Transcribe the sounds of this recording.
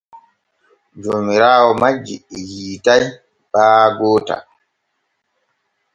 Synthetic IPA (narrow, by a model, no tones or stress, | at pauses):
d͡ʒoːmiɾaːwɔmad͡ʒːiɛjiːtaj | ɓaːɡɔːta̰